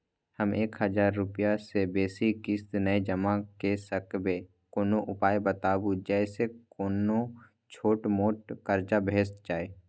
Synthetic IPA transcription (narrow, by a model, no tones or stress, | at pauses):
həmeːkɦəd͡ʒaːɾːʊpijasebeːsikɪsd̪nəed͡ʒəmakesəkbe | koːnoʔʊpaːebət̪aːbud͡ʒɛːsekoːno | t͡ʃʰoːʈmoːʈkəɾd͡ʒabʱeːsd͡ʒaːe